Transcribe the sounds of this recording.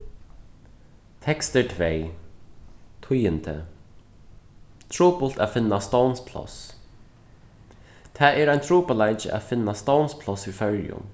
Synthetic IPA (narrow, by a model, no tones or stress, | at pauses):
t̪ʰɛkst̪əɹt̪ʰvej | t̪ʰʊjɪnt̪ʰə | t̪ʰɹuːpʊlt̪afɪnːast̪ownspʰlɔ̰s | t̪ʰæːʔɛːɾajnt̪ʰɹuːpalajt͡ʃə̰ʔa̰fɪnːast̪ownspʰlɔsifœɹjʊ̰n